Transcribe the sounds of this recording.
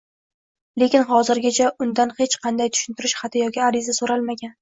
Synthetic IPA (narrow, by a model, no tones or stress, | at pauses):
le̞kʲɪnχɒzɪɾɡʲat͡ʃʰaʔʊnd̪anhe̞t͡ʃqʰɑnd̪ajt̪ʰʊ̥ʃɪnt̪ʰɪɾɪʃχat̪ʰɪjɒkʲɪaɾɪzasoɾalˠmaɡʲan